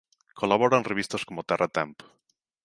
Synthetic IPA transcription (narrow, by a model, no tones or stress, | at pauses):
kʰolaβoɾanreβ̞ist̪askomot̪ɛrʔat̪ɛmp